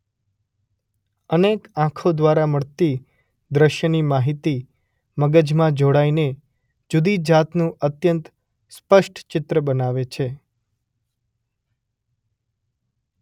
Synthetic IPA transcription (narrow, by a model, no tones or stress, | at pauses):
ənekãkʰod̪ʋaɾaməɭt̪i | d̪ɾəʃjənimaɦit̪i | məɡəd͡ʒmãd͡ʒoɽaine | d͡ʒud̪id͡ʒat̪nũət̪jənt̪ | spəʃʈʰt͡ʃɪt̪ɾəbənaʋet͡ʃʰe